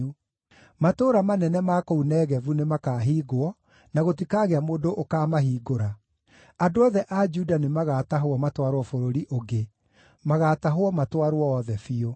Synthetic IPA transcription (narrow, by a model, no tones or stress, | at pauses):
u | matoːɾamanɛnɛmakounɛːɣɛvunemakaːɦiːɡoɔ | naɣotikaɣeamoːdoʔokaːmaɦiːɡoɾa | andoɔðɛʔad͡ʒudanemaɣaːtaɦoɔmatwaɾwɔfoɾoɾiʔoɡe | maɣaːtaɦoɔmatwaɾoɔːðɛfio